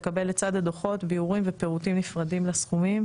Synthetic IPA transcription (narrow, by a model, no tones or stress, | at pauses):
kabe̞let͡sad̪ad̪oχo̞t̪biuʁimvepeʁutimnifʁadimlasχumim